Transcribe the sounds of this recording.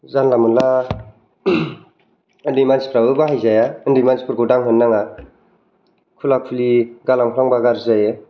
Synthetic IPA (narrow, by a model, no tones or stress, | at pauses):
zanlamɯnla | ɯndimanspʰɾaɯbaɦajzajaɯndimanspʰɯɾɡɯdaŋɦɯnːaŋa | kʰulakʰuliɡalamkʰɾaŋbaɡaɾzajɯ